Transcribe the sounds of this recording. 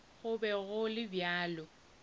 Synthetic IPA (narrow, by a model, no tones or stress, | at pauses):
ɣʊbɛɣʊlɪbjaːlɔ